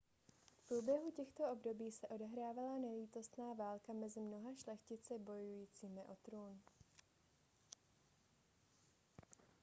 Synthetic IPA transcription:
fpɾuːbjɛɦucɛxt̪o̞o̞bdo̞biːsɛʔo̞dɛɦɾaːvalanɛliːt̪o̞st̪naːvaːlkamɛzɪmno̞ɦaʃlɛxcɪt͡sɛbo̞jujiːt͡siːmɪʔo̞t̪ɾuːn

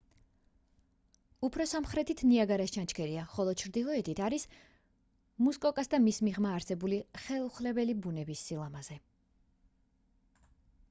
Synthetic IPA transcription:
upʰɾɔsamχɾɛt̪ʰit̪ʰniaɡaɾast͡ʃʰant͡ʃʰkʰɛɾiaχɔlˠɔt͡ʃʰɾd̪ilˠɔɛt̪ʰit̪ʰaɾis | muskʼɔkʼasd̪amismiʁmaːɾsɛbuliχɛlˠuχlɛbɛlibunɛbisːilˠamaz̥ɛ

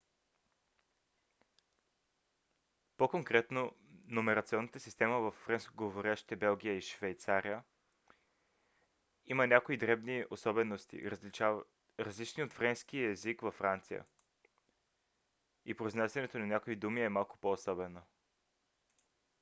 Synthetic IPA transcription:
pokoŋkɾɛt̪nonomɛɾɐt̪siɔnːət̪əsist̪ɛməvɐfːɾɛnskoɡovoɾʲaʃt̪i̥t̪ɛbɛlˠɡ̟ʲijəiʃvɛjt̪saɾijə | imənʲakoid̪ɾɛbniosɔbɛnost̪ḭɾa | ɾəzlit͡ʃniot̪fɾɛnsk̟iəɛzikvɐfːɾant̪sḭjə̰ | ipɾoiznasʲɐnɛt̪onanʲakoid̪umiɛmalˠkʊ̥poːsɔbɛno

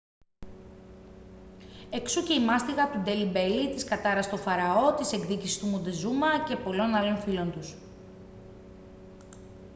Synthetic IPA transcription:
e̞ksuce̞imɐst̪iɣɐt̪ud̪e̞libe̞lit̪iskɐt̪ɐɾɐst̪o̞fɐɾɐo̞t̪ise̞ɡðicisi̥st̪umund̪ezumɐce̞po̞lo̞nɐlo̞nfilo̞nd̪us

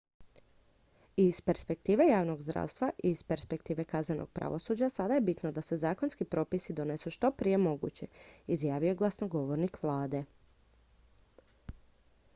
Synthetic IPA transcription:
ispe̞ɾspe̞k̚t̪iːʋe̞jaːʋno̞ɡzd̪ɾa̰ʋst̪ʋaʔispe̞ɾspe̞kt̪iːʋe̞kaznenoɡ̥̚pɾa̰ʋosuːd͡ʑasad̪aje̞bit̪nod̪ase̞zaːkonskipɾo̞ːpisid̪o̞nesuʃt̪o̞pɾije̞mo̞ɡṵt͡ɕe̞izjaːʋioeɡlˠasnoɡo̞ʋoɾnikʋlˠaːd̪e̞

